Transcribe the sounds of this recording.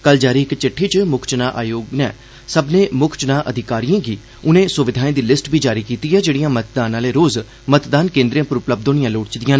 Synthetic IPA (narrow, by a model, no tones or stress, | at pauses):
kəld͡ʒaːɾiːɪkt͡ʃɪʈʰːiːt͡ʃmʊkʰt͡ʃnaːʔa̰ːjoːɡnɛ̰ː | səbnẽːmʊkʰt͡ʃnaːʔəd̪ʱɪkaːɾijãːɡiː | ʊnẽːsʊʋɪd̪ʱaːẽːd̪iːlɪsʈbʱiːd͡ʒaːɾiːkiːt̪iːɛːd͡ʒeːɽijãːmət̪̚d̪aːnaːleːɾoːz | mət̪d̪aːnkẽːnd̪ɾijãːpʊɾʊpləb̚d̪oːnijãːloːʈt͡ʃd̪ijãːnː